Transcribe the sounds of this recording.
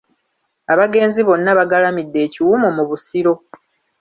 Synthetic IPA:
aβaɡe̞ːnziβo̞nːaβaɡalamidːe̞ːciwumomuβusiɾo̞

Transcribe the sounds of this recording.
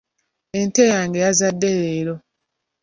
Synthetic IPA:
entejaːŋɡe̞jazadːeɾeːɾo

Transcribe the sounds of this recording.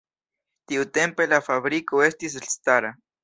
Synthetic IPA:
t̪iut̪empelafaβɾikoest̪is̬eɬst̪aɾa

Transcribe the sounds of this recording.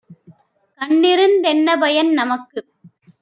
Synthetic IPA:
kɐɳːɪɾɯnd̪ɛnːɐbɐjɐnnɐmɐkːɯ

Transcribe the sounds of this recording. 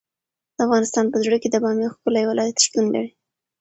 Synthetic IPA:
d̪̥əafɣɑnɪst̪ɑnpəzɽəked̪əbɑmjexkolajwalʔɑjat̪ʂt̪unla̰ɽi

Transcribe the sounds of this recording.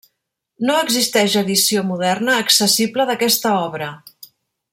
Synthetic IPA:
noəɡzist̪ɛʃəðisiomuðɛrnəːksəsibləðəkɛst̪əɔβɾə

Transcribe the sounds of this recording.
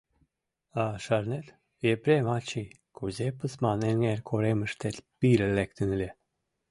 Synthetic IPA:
aʃaɾnet̪ | jepɾemat͡ʃi | kʰuzepəsmaneŋeɾkʰoɾeməʃt̪et̪piɾəlekt̪ənlʲe

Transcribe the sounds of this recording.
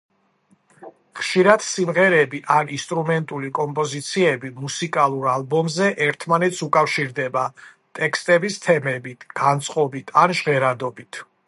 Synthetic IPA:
χʃiɾad̪̥simʁɛɾɛbiʔaninst̪ʼɾumɛnt̪ʼulikʼɔmpʼɔzit̪sʰiɛbimusikʼalˠuɾalˠbɔmzɛʔɛɾt̪ʰmanɛt̪sʰukʼafʃiɾd̪ɛba | t̪ʼɛkst̪ʼɛbist̪ʰɛmɛbit̪ʰɡ̥ant̪sʼqʼɔbit̪ʰanʒʁɛɾad̪ɔbit̪ʰ

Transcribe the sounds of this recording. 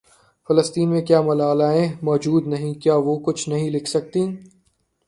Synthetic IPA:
fɐləst̪iːnmẽkjaːmɐlaːlaːẽmɔːd͡ʒuːd̪nɐɦĩkjaːʋokʊt͡ʃʰnɐɦĩlɪkʰsɐk̚t̪ĩ

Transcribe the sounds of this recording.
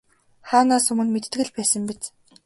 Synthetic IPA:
χaːnaːsɵmɘ̆nmet̪̆t̪ɡɘ̆ɮpæːsə̆mpet͡s

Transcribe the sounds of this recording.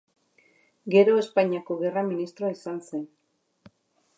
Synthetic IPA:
ɡe̞ɾo̞e̞spaɲiako̞ɣe̞raminist̪ɾoaisanse̞n

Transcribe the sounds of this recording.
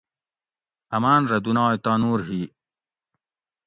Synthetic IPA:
ɐmaːnɾɐd̪unaːit̪aːnuːɾɦiː

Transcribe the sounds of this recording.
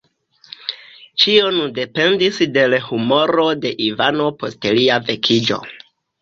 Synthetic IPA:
t͡ʃio̞nde̞pe̞ndisde̞lhumo̞ɾo̞de̞ʔivano̞po̞stliave̞kʰid͡ʒo̞̰

